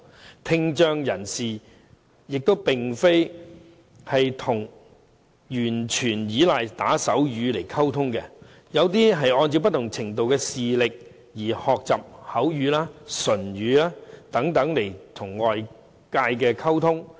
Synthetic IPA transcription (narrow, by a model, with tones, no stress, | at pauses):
t̪ʰɪ˧ŋt͡ʃœː˧ŋjɐ˨˩nsiː˨ | jɪ˨k̚t̪o˥wpɪ˨ŋfe˥j | hɐ˨jt̪ʰʊ˨˩ŋ | jyː˨˩nt͡ʃʰyː˨˩njiː˨˥laː˨jt̪aː˨˥sɐ˨˥wjyː˨˧le˨˩jkʰɐ˥wt̪ʰʊ˥ŋkɛ˧ | jɐ˨˧wt̪iː˥ɦɐ˨jɔː˧nt͡si˧wp̬ɐ˥t̪ʰʊ˨˩ŋt͡sʰɪ˨˩ŋt̪o˨wkɛː˧siː˨lɪ˨k̚ | jiː˨˩hɔː˨k̚t͡sɐ̰˨p̚hɐ˨˥wjyː˨˧laː˥sɵ˨˩nɥyː˨˧˥laː˥t̪ɐ˨˥ŋt̪ɐ˨˥ŋle˨˩jt̪ʰʊ˨˩ŋːɔː˨j | kaː˧jkɛː˧kʰɐ˥wt̪ʰʊ˥ŋ